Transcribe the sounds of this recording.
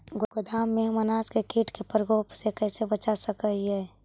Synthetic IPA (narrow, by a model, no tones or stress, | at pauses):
ɡɡʊd̪ʱaːmːeɦmənaːskekiːʈʰkepɾɡoːpsekɛːsebət͡ʃasəkəɦiɦɛː